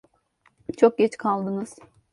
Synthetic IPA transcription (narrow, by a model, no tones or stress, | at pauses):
t͡ʃʰo̞k̚ɟɛt͡ʃkʰalˠd̪ɯnɯz̥